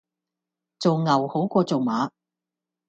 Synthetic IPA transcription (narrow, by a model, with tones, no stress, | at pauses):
t͡so˨wŋɐ˨˩who˨˥wkʷɔː˧t͡so˨wmaː˨˥